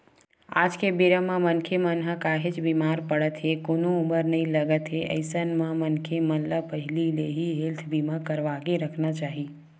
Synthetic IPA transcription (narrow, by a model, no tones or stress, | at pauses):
a̰ːd͡ʒkebeɾəmãmənkʰemənɦəkaɦɪt͡ʃbimaːɾpəɽət̪ɦekonouməɾnəĩləɡət̪ɦeʔə̰ɪsənmə̃mənkʰeməlləpəɦɪlileɦiɦelt̪ʰbimakəɾʋaːɡeɾəkʰnat͡ʃaːɦiː